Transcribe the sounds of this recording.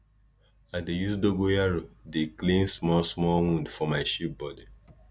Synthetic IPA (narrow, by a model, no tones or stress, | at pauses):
adejusdoɡojaɹodeklẽnsmɔlsmɔlwũndfɔmaɪʃip̚bɔdi